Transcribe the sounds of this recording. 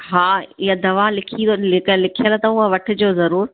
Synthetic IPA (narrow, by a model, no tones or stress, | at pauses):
ɦaːɪjad̪ɐʋalɪkʰilɪklɪkʰijəlat̪ɐʊɦəʋɐʈʰɪ̆d͡ʑoːzɐɾuːɾ